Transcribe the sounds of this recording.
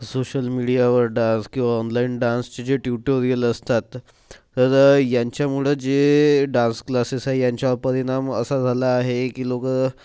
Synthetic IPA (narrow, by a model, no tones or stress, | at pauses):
soɕəlmiɽijaʋəɾɖãnskĩw̃ʋaɔnlainɖãnst͡ɕed͡ʑeʈjuʈoɾijələst̪at̪ː | əɾjaɲt͡ɕjamuɭed͡ʑeɖãnsklasesaɦejaɲt͡ɕapəɾiɽ̃amə̰sad͡zʱalaːɦekiːlokə